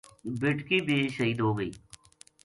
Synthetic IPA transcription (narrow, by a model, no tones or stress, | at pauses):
bɪʈkiːbeːʃəɦiːd̪ɦoːɡəḭː